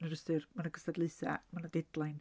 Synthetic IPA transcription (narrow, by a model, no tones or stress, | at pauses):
nəɾəstɨrmanaɡəstadlˠɨθa̰manadɛdlˠajn